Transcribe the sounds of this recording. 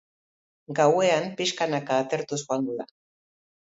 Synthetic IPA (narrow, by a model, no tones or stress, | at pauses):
ɡawe̞ampiʃkanakaːt̪e̞ɾt̪usoanɡ̪uða